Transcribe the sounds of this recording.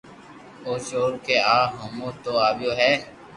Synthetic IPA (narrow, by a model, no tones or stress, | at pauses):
oːt͡ʃoːɾkeːaːɦomoːt̪oːaːbjoːɦɛː